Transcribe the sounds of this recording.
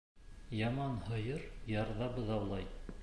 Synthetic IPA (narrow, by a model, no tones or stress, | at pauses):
jɑmɑnhɤ̆jɤɾjɑɾðɑbɤðɑwlˠɑj